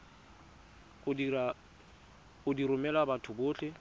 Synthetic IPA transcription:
ʊdia | ʊdiɾʊmɛlabatʰʊbʊːɬʰɪ

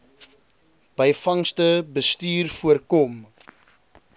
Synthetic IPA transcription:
b̥əjfɐŋstəbəstyːrfuərkɔm

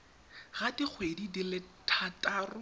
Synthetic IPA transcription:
ɣadik͡xʰwedidilɪtʰatʼaːrʊ

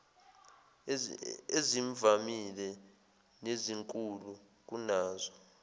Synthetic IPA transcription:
eziɱvamilɛ | neziŋkʼulu | k̬unaːzɔ

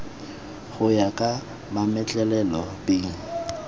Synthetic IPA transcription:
ɣʊjakʼa | mamɛt͡ɬʼɛlɛlɔbeːŋ̩

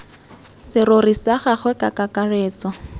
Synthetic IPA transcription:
sɪrorisaχaχwɛkakakareːt͡sɔ

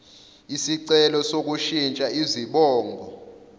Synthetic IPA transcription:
isiǀɛlɔsok̬uʃint͡ʃʼaiziɓɔːŋɡʱɔ

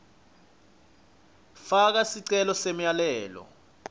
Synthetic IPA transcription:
fak̬asiǀɛlɔsemjalɛːlɔ̰

